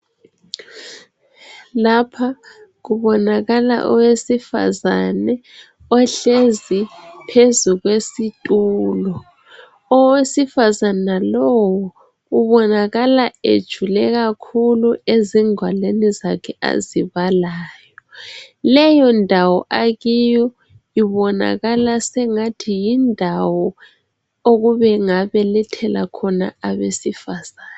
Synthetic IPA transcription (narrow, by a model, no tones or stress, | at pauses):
lapʰaɣuβɔnaɣala̰ʔɔ̰wesifa̰zanɛ | ɔɬezipʰezuɣwesitʼuːlɔ | ɔwesifazanalɔwɔ | uβɔnaɣalaḛd̥ʒ̥ʱulɛɣakʰulueziŋʱwalenizakʰɛa̰ziβalaːjɔlɛjɔndʱawɔʔaɣijɔ | iβɔna̰ɣalasɛŋatʰijindʱawɔ | oɣuβɛŋaβɛlɛtʰɛla̰kʰɔna̰aβesifazaːna